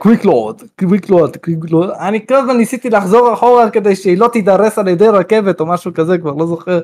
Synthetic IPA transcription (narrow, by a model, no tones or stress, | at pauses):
kwiklood̪kwiklood̪kwiklodanikavanːisit̪ilaħzo̞ʁaħoʁaad̪̚ked̪ejʃeilo̞t̪id̪aɾesaljed̪ejɾake̞vet̪o̞maʃukazekvaʁlo̞zoχeʁ